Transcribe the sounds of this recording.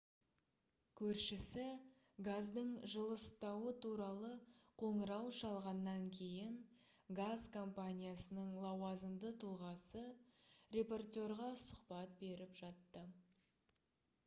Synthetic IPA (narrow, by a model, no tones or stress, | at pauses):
kʲʰɵɾʃɪsɪ | ɡazd̪əɴʒəlˠəst̪ɑwət̪ʰuɾɑlˠə | qʰo̞ɴəɾɑwʃɑlˠʁɑnːɑŋkʲʰe̞jɪŋ | ɡazkʰo̞mpanʲijasənəɴlˠɑwɑzəmd̪ət̪ʰulˠʁɑsərʲe̞po̞rt̪ʲo̞ɾʁɑsʊqpɑt̪̚be̞ɾɪpʒɑt̪ːə